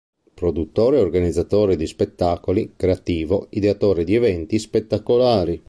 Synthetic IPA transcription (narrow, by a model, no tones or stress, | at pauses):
pɾod̪ut̪ːoːɾeorɡanid̪zːat̪oːɾed̪ispet̪ːaːkolikɾeat̪iːvoid̪eat̪oːɾed̪iɛvɛnt̪ispet̪ːakolaːɾi